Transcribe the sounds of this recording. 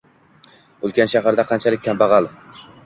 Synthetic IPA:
olˠkʲʰanʃaɦaɾd̪aqʰɑnt͡ʃʰalɪkʲʰːambɑʁɑlˠ

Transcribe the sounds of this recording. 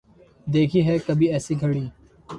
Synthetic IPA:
d̪eːkʰiːɦɛːkɐbʱiːɛːsiɡʱəɽiː

